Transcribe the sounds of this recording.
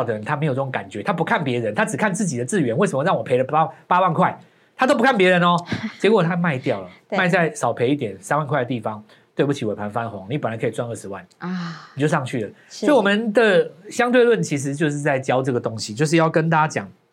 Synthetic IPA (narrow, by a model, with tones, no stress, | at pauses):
d̪ə˩ə˧˦nt̪ʰa˦˥m˧˥jʈ͡ʂə˥˩o˧˦ŋka˨˩nt͡ɕɥɛ˧˦t̪ʰa˥pu˧˥kʰa˥˩npjɛ˧˥ɻə˧˦nt̪ʰa˥ʈ͡ʂɻ̩˨˩kʰa˥˧nt͡sɹ̩˥˩t͡ɕi˨˩d̪ə˩t͡sɹ̩˥˩ɥɛ˧˦nwe˥˩sə˨mə˦ɻɑ˥˩ŋwɔ˨˩pʰe˧˥ɪlə˧pa˥wa˥˧nkʰwa˥˩ɪ | t̪ʰa˥t̪o˥ʊp̬u˧kʰa˥npjɛ˧˥ɻə˧˦nɔ˧˦t͡ɕjɛ˧˥kwɔ˨˩t̪ʰa˦ma˥˧ɪt̪jɑ˥˩ʊlə˩mma˥˧ɪt͡sa˥˩ɪsɑ˨˩ʊpʰe˧˥ɪi˥˩t̪jɛ˨˩nsa˥nwa˥˧nkʰwa˥˩də˧t̪i˥˩fɑ˨˦ŋ | t̪we˥˧pu˥˩t͡ɕʰi˨˥we˨˩pʰa˧˥nfa˦nxʊ˧˥ŋni˨˥pə˨nla˨˦ɪkʰi˨˩t͡swa˥˧nə˥˩ʂɻ̩˧˦wa̰˥˩nni˨˩t͡ɕjo˥˧ʊʂɑ˥˧ŋt͡ɕʰy˥˩lə˩ | sɔ˧˥i˨wɔ˨˩mə˨nd̪ə˨ɕjɑ˥ŋt̪̬we˥˧ɪlwə˥˩nt͡ɕʰi˧˥ʂ̬ɻ̩˧˥t͡ɕjo˥˧ʊʂ̬ɻ̩˥˧t͡sa˥˩ɪt͡ɕjɑ˥ʊʈ͡ʂɤ˥˩ɡə˩t̪o˥˦ŋɕi˨t͡ɕjo˥˧ʊʂ̬̩˥˧jɑ˥˩ʊkə˦nt̪̬a˥˩t͡ɕja˥t͡ɕjɑ̰˨˩˦ŋ